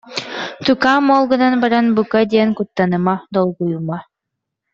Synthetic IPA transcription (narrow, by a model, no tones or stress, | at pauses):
t̪ukaːmɔːlˠɡɯnanbaɾanbukad̪ʲiɛnkut̪ːanɯmad̪ɔlˠɡujuma